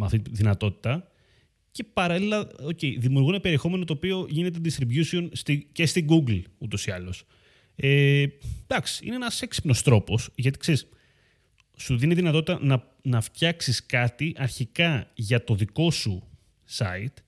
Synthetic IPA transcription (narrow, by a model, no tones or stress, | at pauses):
mɐfθit̪ðinɐt̪o̞t̪i̥t̪ɐ | ce̞pɐɾɐlilɐoce̞iðimiuɾɣunepe̞ɾie̞xo̞me̞no̞t̪o̞ːpio̞ʝine̞t̪ed̪ist̪ɾivjusio̞nst̪ice̞st̪iɡuɡlut̪o̞siɐlo̞s | ed̪ɐksi̥ḭneenɐse̞ksi̥pno̞st̪ɾo̞po̞sʝɐt̪ikse̞ɾis | suðiniðinɐt̪o̞t̪it̪ɐnɐ | nɐft̪çɐksiskɐt̪iʔɐɾçikɐʝɐt̪o̞ðiko̞su | sɐ̰it̪